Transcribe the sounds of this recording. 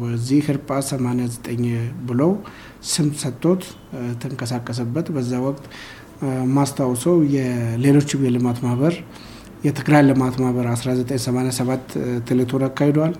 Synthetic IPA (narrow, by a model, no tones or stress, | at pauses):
bəzːihhɨɾpʼasəmanejazət̪ʼəɲːbɨləw | sɨmsət̪ʼːo̞t̪ | t̪ʰɨŋkʼəsakʼːəs̬əbːət̪bəzːawɔkʼt̪ʼ | mast̪ʰawsəwjɛle̞lo̞t͡ʃːɪmjɛlɨmat̪mahβəɾ | jɛt̪ʰɨɡɾajlɨmat̪mahβəɾasɾazət̪ʼəɲsəmanjasəβat̪ːɨlet̪ʰonakʰːahed̪owal